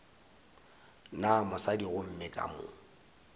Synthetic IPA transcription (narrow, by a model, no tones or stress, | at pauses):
namʊsadiɣʊm̩mɪkʼa̰mʊ̰